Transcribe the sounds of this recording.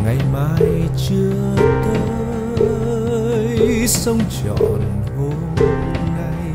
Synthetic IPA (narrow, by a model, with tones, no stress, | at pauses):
ŋa˨˩jmaː˧jt͡ɕɨ˧ə | t̪ə˧˦ | jsə˧wŋ͡mt͡ɕɔ̰˧˨n | ho˧ | na˧j